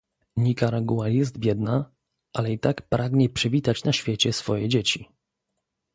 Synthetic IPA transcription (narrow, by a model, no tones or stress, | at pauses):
ɲikaɾaɡuwajɛs̬t̪bʲjɛd̪na | ʔalɛit̪akpɾʔaɡɲɛpʂɛvʲit̪at͡ɕnaɕfʲjet͡ɕɛsfɔjɛd͡ʑet͡ɕi